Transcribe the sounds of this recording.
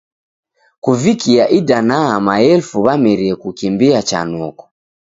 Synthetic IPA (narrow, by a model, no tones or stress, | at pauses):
kuvikiaʔidanaːmaɛlfuβamɛɾiɛkukimbiat͡ʃa̰nɔkɔ̥